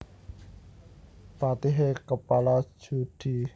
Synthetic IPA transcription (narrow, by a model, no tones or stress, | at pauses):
pat̪iɦekəpalḁʒ̥ud̪̥i̤